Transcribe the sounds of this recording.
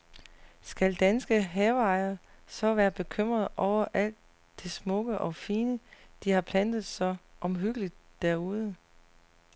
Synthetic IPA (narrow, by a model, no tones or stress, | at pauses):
sɡ̥æld̥ænsɡ̥əɦɛʊɑ̈ɪɐsɒ̽ʋæːɐb̥e̝kʰøm̰ʁɐðˠʔɒʊ̰ɐʔæl̰d̥ | d̥esmɔ̽ɡ̥əʔɒ̽fiːnəd̥ihɑ̈pʰlæn̰d̥ð̩ˠsɒ̽ʔɒ̽mɦyɡ̥əlid̥̚ːæɐuð̞ˠə